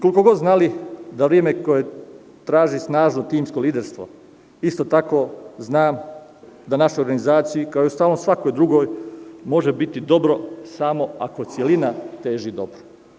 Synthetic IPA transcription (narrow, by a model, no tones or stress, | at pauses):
kolikoɡo̞d̪znalid̪aʋɾjeme̞ko̞je̞ | t̪ɾaːʒisnaːʒnot̪iːmsko̞liːd̪eɾst̪ʋo̞̰ | ist̪ot̪ako̞ːznaːm | d̪anaʃujoɾɡanizaːt̪sijikaojust̪aːʋlnomsʋakojd̪ɾuɡo̞ːjmo̞ʒebit̪id̪o̞bɾo̞samo̞a̰kot̪sjelinat̪e̞ːʒid̪o̞bɾo̥